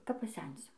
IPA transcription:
kɐp pɐˈsʲɛnʲsʲʊ

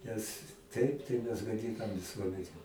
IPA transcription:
nʲɛs ˈtɐɪp tɐɪ mʲɛs ɡɐˈdʲɪnɐm ʋʲɪˈsuɔmʲɛnʲɛ

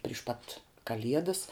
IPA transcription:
pʲrʲiːʃ ˈpɐt kɐˈlʲiɛdɐs

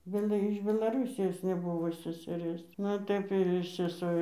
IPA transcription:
ˈbʲæːlˠɐ ɪʃ bʲɛlˠɐˈruːsʲɪjoːs nʲɛˈbʊʋoː sʲɛsʲɛˈrʲeːs ˈnʊ ɪr ˈtɐɪp ɪr sʲɛˈsoː

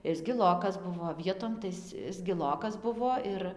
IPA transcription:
ˈɪs ɡʲɪlˠoːkɐs ˈbʊʋoː ˈʋʲiɛtoːm tɐɪ ˈɪs ˈɪs ɡʲɪˈlˠoːkɐs ˈbʊʋoː ˈɪr

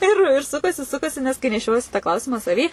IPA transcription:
ɪr ɪr ˈsʊkɐsʲɪ ˈsʊkɐsʲɪ nʲɛs kɐɪ nʲɛˈʃʲoːjiɛsʲɪ tɑː ˈklˠɐʊsʲɪmɑː sɐˈʋʲiː

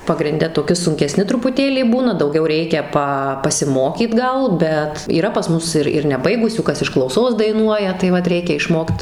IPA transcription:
pɐɡrʲɪnʲˈdʲɛ toːˈkʲɪ sʊŋʲkʲɛˈsʲnʲɪ trʊpʊˈtʲeːlʲiː ˈbuːnɐ dɐʊˈɡʲɛʊ ˈrʲɛɪkʲɛ ˈpɐ pɐsʲɪˈmoːkʲiːt ˈɡɐlˠ ˈbʲɛt iːˈrɐ pɐs ˈmʊs ɪr ɪr nʲɛˈbɐɪɡʊsʲuː ˈkɐs ɪʃ klˠɐʊˈsoːs dɐɪˈnuɔjɛ tɐɪ ˈʋɐt ˈrʲɛɪkʲɛ ɪʃˈmoːkt

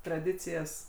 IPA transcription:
trɐˈdʲɪt͡sʲɪjɛs

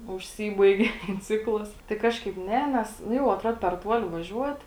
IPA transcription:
ʊʃʲˈsʲiːbɐɪɡʲeː tʲɛn ˈt͡sʲɪklˠɐs tɐɪ ˈkɑːʃkɐɪp ˈnʲɛ ˈnʲɛs nʊ ˈjɛʊ ɐtˈruɔt pʲɛr ˈtuɔlʲɪ ʋɐˈʒʲuɔt

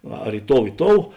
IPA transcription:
ˈɐr ɪ ˈtoːʊ ɪ ˈtoːʊ

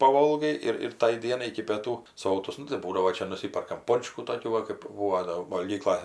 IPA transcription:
pɐˈʋoːlˠɡɐɪ ɪr ɪr ˈtɐɪ ˈdʲiɛnɐɪ ɪkʲɪ pʲiɛˈtuː ˈsoːtʊs ˈnʊ tɐɪ ˈbuːdɐʋoː ˈt͡ʃʲɛ nʊˈsʲiːpʲɛrkɐm ˈpoːnt͡ʃkuː toːˈkʲuː ʋɐ kɜp ˈbuːʋoː doː ʋɐlʲˈɡʲiːklˠɐ

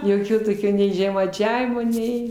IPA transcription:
joːˈkʲoː toːˈkʲoː nʲɛɪ ʒʲɛmɐɪˈt͡ʃʲæːʋʲɪmoː ˈnʲɛɪ

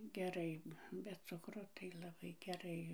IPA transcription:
ɡʲɛˈrɐɪ bʲɛ ˈt͡sʊkroː tɐɪ lˠɐˈbɐɪ ɡʲɛˈrɐɪ

